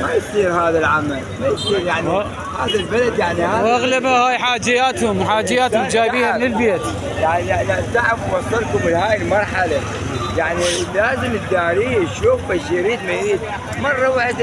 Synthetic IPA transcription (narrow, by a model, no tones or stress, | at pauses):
majsˤiːɾhaːðalʕamalmajsˤiːɾjaʕni | haːðalbalad̪jaʕnihawʔaɣlabahaːjħaːd͡ʒɪjaːt̪hʊmħaːd͡ʒɪjːaːt̪hʊmd͡ʒaːjbijːamnɪlbjet̪ | jaʕniad̪aʕakmɑsˤɑlkʊbɪlhaːjɪlmɑɾˤħala | jaʕnilaːzɪmɪd̪ːaːɾiʃuːfaʃjɾiːd̪majɾiːd̪̚ | mɑrˤːɑwaʔd̪